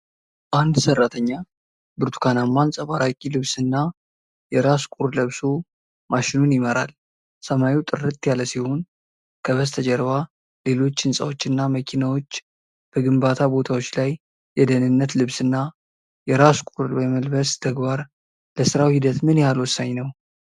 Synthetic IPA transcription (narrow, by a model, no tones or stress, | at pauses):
ʔand̪sərːat̪ʰəɲːa | bɨɾt̪ʰu̥kʰanamːansʼəβaɾakʼilɨβsɨnːa | jɛɾaskʼuɾləβsu | maʃɪnunjɪməɾa̰l | səmaiwt̪ʼɨrɨt̪ʼjaləsiho̞n | kʰəβəst̪ʰəd͡ʒəɾβa | le̞lo̞t͡ʃːɨnsʼa̰wot͡ʃːɨnːaməkʰinawo̞t͡ʃː | b̥əɡɨmbat̪ʰabo̞t̪ʰawo̞t͡ʃːlajː | ɛd̪ənɨnːət̪lɨβsɨnːa | jɛɾaskʷʼuɾwəməlbəst̪ʰəɡbaɾ | ləsɨɾawhid̪ət̪mɨnjalwɔsːaɲnəw